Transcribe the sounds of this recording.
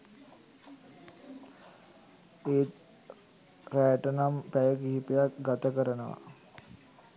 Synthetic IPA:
eːt̪ | ɾæːʈənampæjəkiːipejakɡat̪əkəɾənəʋa̰

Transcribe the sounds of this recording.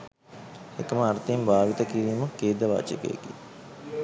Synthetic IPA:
ekəməaɾt̪embaːʋit̪əkiɾiːməkeːd̪əʋa̰ːt͡ʃḛkə̰ḛkḭ

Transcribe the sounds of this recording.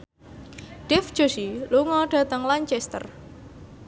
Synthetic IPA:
ɖ̥ɛfd̥ʒ̥o̤siluŋɔɖ̥ä̤t̪əŋlaɲt͡ʃɛst̪ə̰r

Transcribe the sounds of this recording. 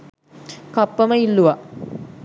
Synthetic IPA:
kapːəməilːuʋa

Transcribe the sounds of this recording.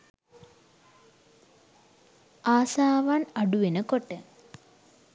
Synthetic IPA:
aːsaːʋanaɖuʋenəkoʈːə

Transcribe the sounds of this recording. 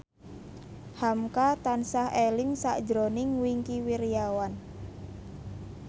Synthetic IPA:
hamkat̪ansahelɪŋsa̰ʔd͡ʒɾonɪŋwiŋkiwiɾijawan

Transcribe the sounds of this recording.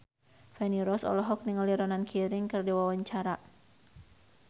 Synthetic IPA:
fɛniɾɔsɔ̰lɔɦɔk̚niŋəliɾɔnankʰiɾɪŋkɨrdiwawaɲt͡ʃaɾa

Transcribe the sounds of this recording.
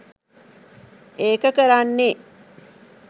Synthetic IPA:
ʔeːkəkəɾanːe

